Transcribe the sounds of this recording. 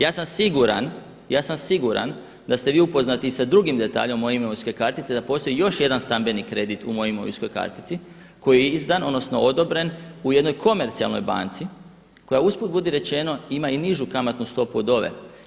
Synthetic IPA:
jaːsamsiɡuɾa̰n | jaːsamsiɡuɾa̰n | d̪ast̪e̞ʋiːupo̞znat̪iːsad̪ɾuɡimd̪e̞t̪a̰ːʎo̞mːo̞jimooijsko̞jkaɾt̪it̪sed̪apo̞st̪o̞jijo̞ʃje̞d̪anst̪ambe̞nikɾe̞d̪it̪umo̞jeimoʋḭsko̞jka̰ɾt̪i̥t̪si | ko̞jijeizd̪ano̞d̪no̞sno̞o̞d̪o̞bɾe̞nuje̞d̪no̞jkʰo̞me̞ɾt̪sia̰lˠno̞̰jba̰nt̪si | ko̞jauspod̪̚bud̪iɾe̞t͡ʃe̞no̞imainiʒukamat̪nust̪o̞puod̪o̞ʋe̞̰

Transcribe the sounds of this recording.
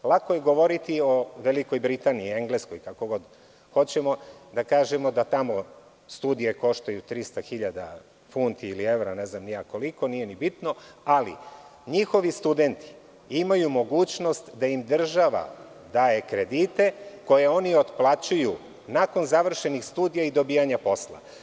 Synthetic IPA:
lˠako̞jeɡo̞ʋo̞ɾit̪io̞ʋe̞liko̞jbɾit̪aniːe̞ŋɡleskojkako̞ɡo̞d̪ | xo̞t͡ɕe̞mo̞d̪akaːʒemo̞d̪at̪amo̞ | st̪ud̪ije̞ko̞ʃt̪ajut̪ɾist̪axiʎad̪a̰ | funt̪iːlie̞ʋɾane̞znamniako̞liko̞nije̞nibit̪no̞alḭɲixo̞ʋist̪ud̪e̞nt̪ʰi̥ | imajumo̞ɡuːt͡ɕno̞st̪d̪aimd̪r̩ʒaʋa̰ | d̪aːje̞kɾe̞d̪it̪e̞ko̞je̞o̞nio̞t̪plˠat͡ɕuju | nako̞nzaʋr̩ʃe̞nixst̪uːd̪ijaid̪o̞biːjaɲapo̞slˠa̰

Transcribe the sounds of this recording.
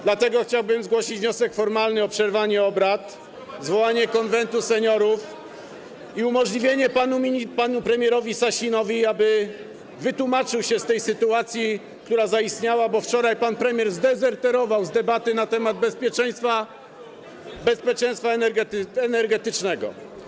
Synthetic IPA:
d̪lat̪ɛɡɔxt͡ɕawbɘmzɡwɔɕid͡ʑvɲɔsɛkfɔɾmalnɘɔpʂɛɾvaɲɛɔbɾat̪ | zvɔwaɲɛkɔnvɛnt̪usɛɲɔɾuf | iumɔʐlʲivʲjeɲɛpanumʲipanupɾɛmʲjɛɾɔvʲisaɕinɔvʲiabɘ | vɘt̪umat͡ʂɘwɕɛst̪ɛjsɘt̪uat̪sʲji | kt̪uɾazaist̪ɲawabɔft͡ʂɔɾajpanpɾɛmʲjɛɾzd̪ɛzɛɾt̪ɛɾɔvawzd̪ɛbat̪ɘnat̪ɛmad̪bɛspʲjɛt͡ʂɛj̃st̪fa | bɛspʲjɛt͡ʂɛ̃j̃st̪faɛnɛɾɡɛɛnɛɾɡɛt̪ɘt͡ʂnɛɡɔ̰

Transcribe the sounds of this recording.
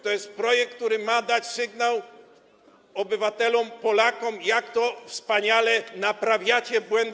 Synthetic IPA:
t̪ɔjɛst̪̚pɾɔjɛk̚k̚t̪uɾɘmad̪at͡ɕsɘɡnaw | ɔbɘvat̪ɛlɔmpɔlakɔmjakt̪ɔfspaɲalɛnapɾavʲjat͡ɕɛbwɛnd̪

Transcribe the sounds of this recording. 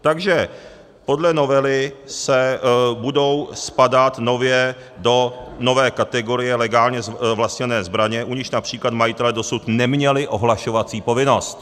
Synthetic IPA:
t̪aɡʒɛ | po̞dlɛno̞vɛlɪsɛbudo̞wspadat̪no̞vjɛ | do̞no̞vɛːkat̪ɛɡo̞ɾɪjɛlɛɡaːlɲɛzvlasɲɛnɛːzbɾaɲɛʔuɲɪʃnapr̥iːklat̪majɪt̪ɛlɛdo̞sut̪nɛmɲɛlɪʔo̞ɦlaʃo̞vat͡siːpo̞vɪno̞st̪

